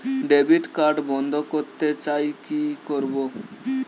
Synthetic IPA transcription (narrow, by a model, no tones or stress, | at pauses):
ɖebiʈkaɾɖbɔnd̪ʱɔkoɾt̪ːet͡ʃajkikoɾbo